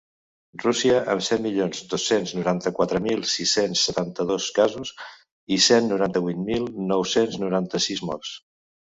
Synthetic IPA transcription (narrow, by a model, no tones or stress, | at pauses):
rusiəʔə̰msɛt̪miʎonzd̪osːenznuɾant̪əkwat̪ɾəmilˠsisensːət̪ant̪əðoskazuz | isenːuɾant̪əβujt̪milˠnɔwsenznuɾant̪əsizmɔrs